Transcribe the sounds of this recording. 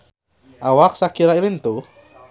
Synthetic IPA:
ʔawak̚sakiɾailint̪u

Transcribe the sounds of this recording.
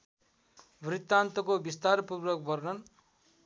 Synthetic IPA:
brit̪ːant̪ʌkobist̪arpurwʌk̚bʌrnʌn

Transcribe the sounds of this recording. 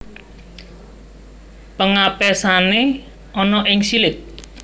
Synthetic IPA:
pəŋapɛsane | ɔnɔʔɪŋsilɪk̪̚

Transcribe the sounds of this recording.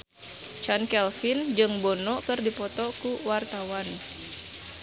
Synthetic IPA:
t͡ʃankɛlfind͡ʒɨŋbɔnɔkɨrdipɔt̪ɔkuwart̪awan

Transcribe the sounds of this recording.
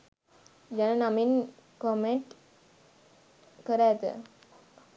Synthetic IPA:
d͡ʒanənaminkomeɳʈ | kəɾat̪ə̰

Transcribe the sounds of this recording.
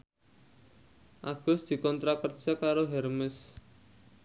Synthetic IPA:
ʔaɡ̥ɔsd̪̥i̤kɔnt̪ɾakərt͡ʃakaɾoɦɛrmɪs

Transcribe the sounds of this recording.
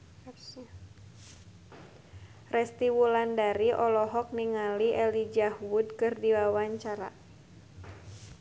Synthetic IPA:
rɛst̪iwulandaɾiʔɔlɔɦɔk̚niŋaliʔɛlid͡ʒahwud̚kɨrdiwawaɲt͡ʃaɾa̰

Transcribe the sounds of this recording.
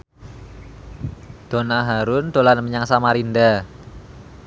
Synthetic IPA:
d̪̥onaɦaɾʊnd̪̥o̤lanməɲaŋsamaɾinda

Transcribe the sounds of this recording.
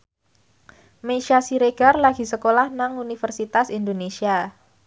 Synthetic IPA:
meʃasiɾeɡ̥a̤rlaɡ̥i̤səkolahnaŋunifərsit̪asind̪onesia

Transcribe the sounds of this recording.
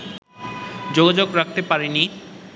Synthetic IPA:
d͡ʑoɡad͡ʑoɡɾak̚t̪epaɾeni

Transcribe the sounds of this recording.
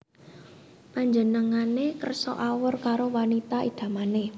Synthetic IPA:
paɲd͡ʒənəŋanekə̰rsɔ̰ʔawərkaɾowanit̪aʔḭd̪̥ä̤mane

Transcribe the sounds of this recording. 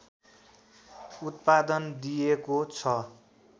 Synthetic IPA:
ut̪̚pad̪ʌnd̪ijekot͡sʰʌ

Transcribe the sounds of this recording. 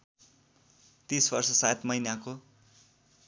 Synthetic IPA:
t̪isbʌrsʌsat̪mʌjnako

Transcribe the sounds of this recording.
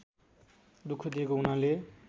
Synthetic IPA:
d̪ukʰːod̪ieɡounale

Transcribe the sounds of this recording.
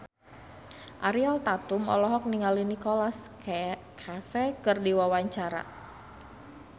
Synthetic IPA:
ʔaɾialt̪at̪umɔ̰lɔɦɔk̚niŋalinikɔlas | kʰafɛkɨrdiwawaɲt͡ʃaɾa̰

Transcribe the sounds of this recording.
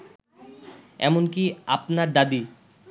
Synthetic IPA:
ɛ̰monkiapnaɾd̪ad̪i

